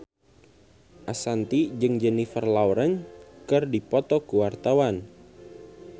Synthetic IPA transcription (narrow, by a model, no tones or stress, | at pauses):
ʔasant̪id͡ʒɨŋd͡ʒənifərlawɾəŋkɨrdipɔt̪ɔkuwart̪awan